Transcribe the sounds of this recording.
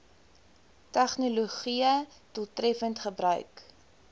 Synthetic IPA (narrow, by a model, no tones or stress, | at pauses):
tɛχnoloχiə | tulˠtrɛfəntχəbrœ̰ɥk